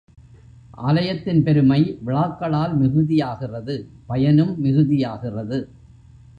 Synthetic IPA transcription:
ʔaːlɐjɐt̪ːɪnpɛɾɯmɐɪʋɪɭaːkːɐɭaːlmɪɣɯðɪjaːɣɪrɐðɯ | pɐjɐnɯmːɪɣɯðɪjaːɣɪrɐðɯ

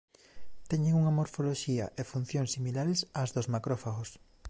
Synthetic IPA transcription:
t̪ɛɲeŋuŋɐmoɾfoloʃiɐ̰ʔefun̟θjoŋsːimilaɾesazðozmakɾɔfaɣos

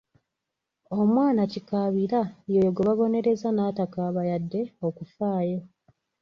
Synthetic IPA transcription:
o̞mwaːnacikaβiɾajojoɡeβaβo̞ne̞ɾe̞zanaːtakaːβajadːe̞o̞kufaːjo̞

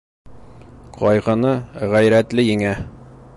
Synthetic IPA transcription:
qʰɒjʁɤ̆nɤʁæjɾæt̪lɘjɘ̆ŋæ

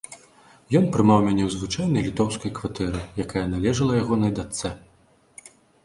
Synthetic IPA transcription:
jɔn̪pɾɨmawmʲanʲɛwzvɨt͡ʂajn̪ɐjlʲit̪ɔwskɐjkvat̪ɛɾɨjakajɐnalʲɛʐɐlˠɐjaɣɔnɐjd̪at̪sɛ

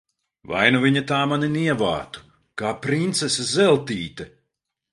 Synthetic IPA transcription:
va̰jnuviɲat̪aːmaniniɛva̰ːt̪u̥ | kaːpɾint̪sɛsazɛlˠt̪iːt̪ɛ

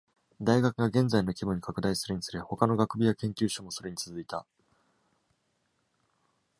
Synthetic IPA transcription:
d̪aiɡakɯɡaɡẽ̞nzaino̞kʲibɯ̟̃ɲ̟ːikʰakɯ̟d̪aisɨɾɯ̟ɲ̟isɨɾeho̞kano̞ɡakɯ̟bʲijakẽ̞ŋkʲɨːɕomo̞so̞ɾe̞ɲ̟it͡sɨzɨit̪a

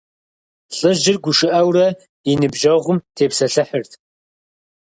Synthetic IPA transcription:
ɬʼɨʒɪrɡʷʊʃɨʔɐwrɐ | inɨbʒɐʁʷʊmtʰeːpsɐɬɨħərtʰ

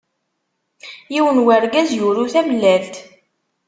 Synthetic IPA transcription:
jiwənwæɾɡæzjʊɾuθæməlːælt̪

